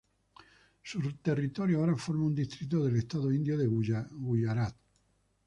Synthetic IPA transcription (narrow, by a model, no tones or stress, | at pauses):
sut̪e̞rit̪oɾjoaoɾafo̞ɾmaund̪ist̪ɾit̪̬oðe̞lest̪aðoind̪joðeɡujaɾat̪